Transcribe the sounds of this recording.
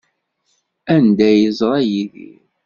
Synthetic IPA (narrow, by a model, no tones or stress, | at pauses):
ænd̪æjəzˤɾˤɑjiðḭɾ